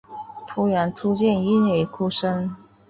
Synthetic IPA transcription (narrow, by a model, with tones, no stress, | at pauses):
t̪ʰu˧˥ɻa˧˥nʈ͡ʂʰu˥t͡ɕjɛ˥˩ni˥ne˥˧˩ɪkʰu˥ʂə˥n